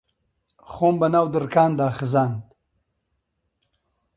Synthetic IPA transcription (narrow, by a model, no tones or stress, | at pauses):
χoːmbɐnaːwd̪əɾkaːnd̪aːxɪzaːnd̪